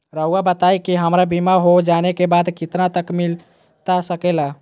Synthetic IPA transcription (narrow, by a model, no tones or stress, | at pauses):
ɾəuabət̪ajkiɦəmɾabimaɦod͡ʒanekebad̪kit̪nat̪əkmil | t̪asəkɛla